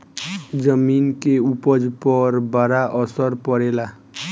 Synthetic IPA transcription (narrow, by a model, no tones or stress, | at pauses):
d͡ʒəminkeupəd͡ʒpəɾbaɾaʔʌsəɾpʌɾela